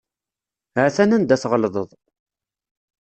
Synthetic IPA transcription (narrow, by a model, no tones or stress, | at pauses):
hæθænænd̪æθʁəlðˤəðˤ